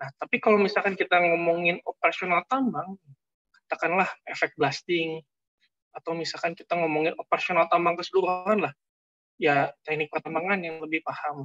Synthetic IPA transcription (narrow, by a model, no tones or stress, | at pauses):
naht̪apikalawmisalkankit̪aŋomɔŋɪnopəɾasionalt̪ambaŋ | kat̪akanlahefɛk̚t̚blast̪ɪŋ | at̪awmisalkankit̪aŋomɔŋɪnopəɾasionalt̪ambaŋkəsəduɾuanlah | jat̪ɛk̚nɪk̚pərt̪ambaŋanjaŋləbɪhpaham